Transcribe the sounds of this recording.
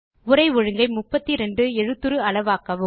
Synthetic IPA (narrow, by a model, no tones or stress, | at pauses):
ʊɾɐɪʋɔɻɯŋɡɐɪmʊpːɐt̪ːiɾɛɳɖɯɛɻɯt̪ːɯɾɯɐɭɐʋaːkːɐʋɯ